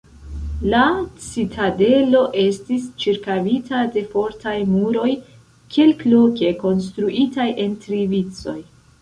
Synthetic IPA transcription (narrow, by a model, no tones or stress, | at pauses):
lat͡sitʰade̞lo̞ʔe̞stist͡ʃiɾkavitʰade̞fo̞ɾtajmuɾo̞j | kʰelkloke̞ko̞ns̬tɾuʔitajʔe̞ntɾivit͡so̞j